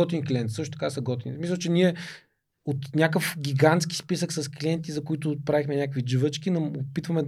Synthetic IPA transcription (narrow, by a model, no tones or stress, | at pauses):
ɔt̪inklʲiɛnt̪sɤʂʃt̪ot̪ɐkasɐɡɔt̪insmislˠət͡ʃɛnʲiɛ | ot̪nʲakəfɡʲiɡant̪skʲi̥spisəksɐskliɛnt̪izɐkʊit̪ʊpɾavixmɛnʲakvid͡ʒəvət͡ʃkinɐopit̪vəmɛ